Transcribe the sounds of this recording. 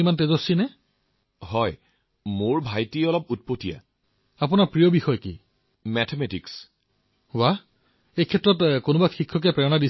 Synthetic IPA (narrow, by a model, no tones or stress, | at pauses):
imantezosinɛ | hɔj | moɹbʱajtiɔlɔp̚ut̚potija̰ | apʊnaɹpɹijɔbixɔjkḭ | mɛtʰemɛtiks | wa | ejkʰɛtɹɔtkonʊbaxikʰːɔk̬ɛpɹɛɔnadi